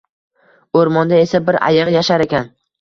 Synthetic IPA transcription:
oɾmɒnd̪ae̞sabɪɾa̰jɨʁjaʃaɾekʲʰan

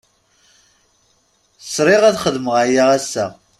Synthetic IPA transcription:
sɾˤɪʁæðχəðməʁajaʁæsːæ

